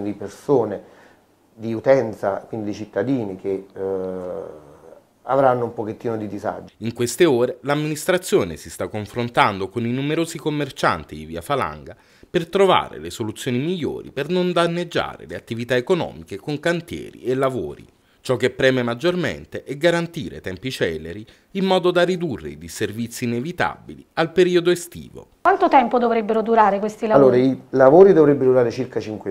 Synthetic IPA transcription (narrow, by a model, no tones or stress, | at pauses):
d̪ipersoːne | d̪iut̪ɛnt̪sakwind̪id̪it͡ʃit̪ːad̪iːnike | a̰vɾanːoumpoket̪ːiːnod̪id̪iza̰d͡ʒiŋkwest̪eoːɾelamːinist̪ɾat̪sːjoːnesist̪akːoɱfɾont̪and̪okoninumeɾoːzikomːert͡ʃa̰nt̪id̪iviːafala̰ŋɡa | pert̪ɾova̰ːɾḛlesolut̪sːjoːnimiʎːo̰ːɾḭpernond̪anːed͡ʒːa̰ːɾḛleat̪ːivit̪aekonɔ̰ːmikekoŋkant̪jɛ̰ːɾḭelːavo̰ːɾḭ | t͡ʃɔk̟ːepːɾɛːmemad͡ʒːormḛnt̪eʔɛɡːaɾant̪iːɾḛt̪ɛmpit͡ʃɛlːeɾi | imːɔːd̪od̪arid̪urːḛid̪iservit̪sːiːnevit̪a̰bilialpeɾiːod̪oest̪ḭːvo̰kwant̪ot̪ɛmpod̪ovɾebːeɾod̪uɾaːɾekwest̪ilaalːoːɾailavoːɾid̪ovɾebːeɾod̪uɾaːɾet͡ʃirkat͡ʃiŋkwe